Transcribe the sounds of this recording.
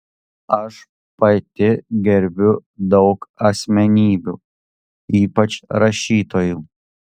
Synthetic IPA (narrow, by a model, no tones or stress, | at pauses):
ɐʃ | pɐt̪ʲɪɡʲɛɾʲbʲʊd̪ɒʊkɐsʲmʲɛnʲiːbʲṵː | iːpɐt͡ʃɾɐʃʲiːt̪oːjuː